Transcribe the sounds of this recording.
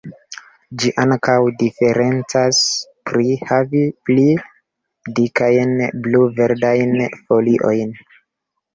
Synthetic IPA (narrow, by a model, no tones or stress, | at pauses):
d͡ʒiʔaŋkawdife̞ɾe̞nt͡saspɾihavipli | dikajnbluve̞ɾdajnfo̞liʔo̞jn